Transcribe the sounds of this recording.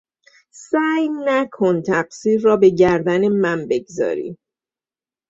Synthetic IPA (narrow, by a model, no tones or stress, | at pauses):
sæːjnækʰont̪ʰæɢ̥siːɾːɒːbe̞ɟæɾd̪ænemænbe̞ɡzɒ̰ːɾḭː